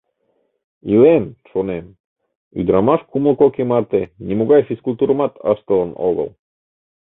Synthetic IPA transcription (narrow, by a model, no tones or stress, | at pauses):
ilemʃonem | y̰d̪ɾɑmɑʃkuməlˠkokemɑrt̪enʲimuɣɑjfiskulʲt̪uɾmɑt̪ʰɑ̰ʃt̪əlˠəno̰ɣə̰lˠ